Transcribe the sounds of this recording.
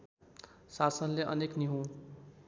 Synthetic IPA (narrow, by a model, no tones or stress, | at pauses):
sasənleʔʌ̰nekniɦũ